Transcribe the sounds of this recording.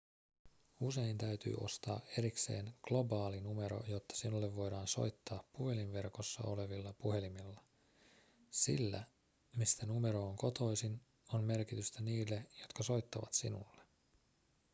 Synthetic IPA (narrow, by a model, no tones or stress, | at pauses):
use̞jnt̪æyt̪y̰ːʔo̞̰st̪ɑ̰ːʔe̞ɾikse̞ːŋɡ̥lo̞bɑːlinume̞ɾo̞̰jo̞t̪ːɑ̥sinulːeʋːo̞jdɑːnso̞̰jt̪ːɑːpːuhe̞linʋe̞rko̞sːɑ̰o̞̰leʋilːɑpuɦe̞limilːɑ | sḭlːæ̰ | mist̪ænume̞ɾo̞ːŋko̞t̪o̞jsin | onme̞rkit̪yst̪æniːlːe̞jo̞t̪kɑso̞jt̪ːɑʋɑt̪sinṵlːe